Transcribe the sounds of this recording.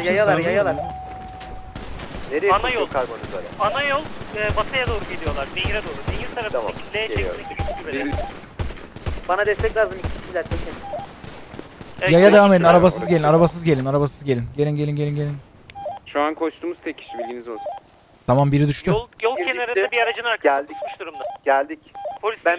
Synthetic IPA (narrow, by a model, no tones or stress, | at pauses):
jajalˠaɾjajalˠaɾ | neɾejanajolˠkʰaɾbonizolɛ̰anajolˠɛːbat̪ʰajad̪o̞ːɾuɟelʲijo̞lˠaɾbeɦiɾɛd̪o̞ːɾubeɦiɾt̪ʰaɾafmit̪lʲejt͡ʃʰeiibʲiyd͡ʒibelʲi | banad̪ɛst̪ɛcʲlʲaːzɯmicʰi̥cʰiilʲæɾt̪ʰecʰim | jajadd̪evamed̪inaɾabasɯzɟe̞lʲinaɾabas̬ɯzɡɟelʲinaɾabasɯzɟelʲinɟe̞lʲinɟe̞lʲinɟelʲinɟe̞lʲin | ʃuankʰot͡ʃt̪uːmuzt̪ʰecʲʰi̥ʃibilʲɟinizolˠsun | t̪ʰamambiɾid̪yʃt̪ulˠjolˠcʰenaɾaabiaɾad͡ʒɯnaɾkʰaælʲd̪iciʃd̪uɾumd̪aɟ̥ælʲd̪icpʰolʲisbæn